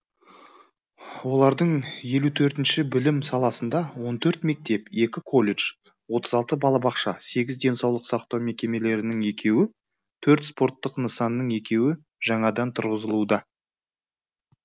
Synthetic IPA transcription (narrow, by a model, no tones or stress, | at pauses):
wo̞lˠɑɾd̪əɴje̞lut̪ʰɵɾt̪ɪnʃɪbɪlɪmsɑlˠɑsənd̪ɑwo̞nt̪ʰɵɾt̪me̞k̚t̪e̞pe̞kʲɪkʰo̞lʲeʒ | wo̞t̪əzɑlˠt̪əbɑlˠɑbɑqʃɑse̞ɡʲɪzd̪e̞nsɑwlˠəqsɑqt̪ɑwme̞kʲe̞me̞le̞ɾɪnɪŋe̞kʲʰe̞wɪ | t̪ʰɵɾt̪spo̞ɾt̪ːəqnəsɑnːəɴe̞kʲe̞wɪ | ʒ̥ɑɴɑd̪ɑnt̪ʰʊɾʁəzəlˠud̪ɑ